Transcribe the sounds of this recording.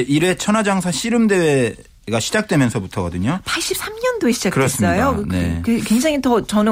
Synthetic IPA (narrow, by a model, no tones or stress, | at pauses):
eiɾe̞t͡ɕʰʌnad͡ʑaŋsʰaɕʰiɾɯmde̞we | ɡaɕʰid͡ʑak̚t͈we̞mjʌnsʰʌmutʰʌɡʌdɯɲopʰaɭɕ͈ip̚s͈amɲʌndoeɕʰi̥d͡ʑakɯɾʌs͈ɯmsʌjonekekweŋd͡ʑaŋitʌt͡ɕʌn